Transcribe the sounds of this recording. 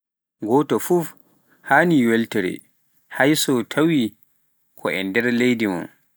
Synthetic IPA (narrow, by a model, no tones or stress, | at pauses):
ɡɔːtɔfuf | haːniwɛltɛɾɛ̰ | hajsɔtʰawi | kʰɔʔɛndɛɾlejdimɔ̰n